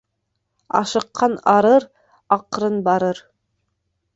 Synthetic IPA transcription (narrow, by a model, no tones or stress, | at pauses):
ɑ̰ʃɤ̆qʰːɑnɑɾɤɾ | ɑqɾɤnbɑɾɤɾ